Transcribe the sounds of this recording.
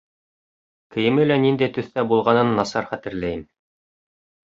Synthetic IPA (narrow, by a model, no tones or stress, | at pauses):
kɘ̆jɘ̆mɘlænind̪æjt̪ɵ̆θt̪æbulˠʁɑnɤnːɑsɑɾχæt̪ɘ̆ɾlæjɘm